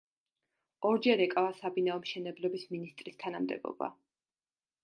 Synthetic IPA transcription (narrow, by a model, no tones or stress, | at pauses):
ɔɾd͡ʒɛɾɛkʼavasabinaɔmʃɛnɛblɛbisminist̪ʼɾist̪ʰanamd̪ɛ̰bɔ̰ba̰